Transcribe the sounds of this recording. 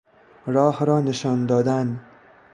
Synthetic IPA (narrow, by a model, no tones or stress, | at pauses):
ɾɒːhɾɒːneʃɒnd̪ɒːd̪an